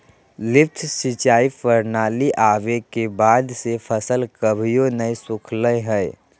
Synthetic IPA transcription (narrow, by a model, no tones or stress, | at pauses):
lɪft̪ʰsit͡ʃaːifəɾnaːliʔaːʋekebaːd̪sefʰəsəlkəbʱijonəisʊkʰləjɦɛ